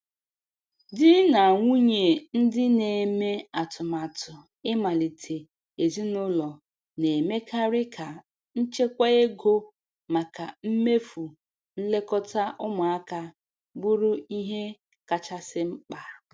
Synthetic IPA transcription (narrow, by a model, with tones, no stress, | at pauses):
dɪ˦na˨ŋʷu˦ɲe˨n̩˦dɪ˦ne˨me˦a˨tʊ˨ma˨tʊ˨ | ɪ˦ma˨li˨tʰe˨ | e˨zi˦nʊ˦lɔ˨ | ne˨me˦ka˦ɾɪ˦kʰa˨ | n̩˦t͡ʃe˦kʷa˦e˦ɡo˦ | ma˨ka˨m̩˦me˦fu˨ | n̩˦le˦kɔ˦ta˦ʔʊ˦mʊ˨a˦ka˦ | bʊ˦ɾʊ˦i˦ɦe˦ | ka˨t͡ʃa˦sɪ˦ŋ͡m̩˦k͡pa˨